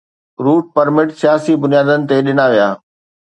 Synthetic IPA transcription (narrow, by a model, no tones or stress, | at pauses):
ɾuːʈ̚pɐɾmɪʈsijaːsibʊnijaːd̪ənɪ̆t̪eɗɪnaʋijaː